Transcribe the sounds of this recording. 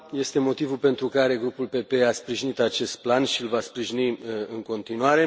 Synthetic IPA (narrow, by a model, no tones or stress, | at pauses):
je̞st̪e̞mo̞t̪ivulpe̞nt̪ɾukaɾe̞ɡɾupulpe̞pe̞aspɾiʒinit̪at͡ʃe̞st̪̚planʃiɨlvaspɾiʒiniɨŋko̞nt̪inuaɾe̞